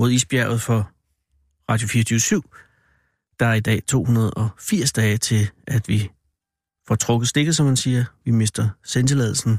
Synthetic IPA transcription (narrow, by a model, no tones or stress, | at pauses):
mo̝ð̞ˠḭːsb̥jæɐ̰ð̩ˠfɒ̽ | ʁɑ̈ːdjo̝fiːɐt͡sʰyːsyʊ̰ | d̥ɑ̈æɐid̥ɛ̰ːt͡sʰo̝̰ːhunɐð̞̩ˠɒ̽fiɐ̰sd̥ɛːɪt͡sʰe̝lʔæd̥ʋi | fɒt͡sʰʁɔ̽ɡ̥ð̩ˠsd̥e̝ɡ̥ð̩ˠsɒ̽mhænsiːɐʋime̝sd̥ɐsend̥elɛ̰ːð̞ˠl̩sn̩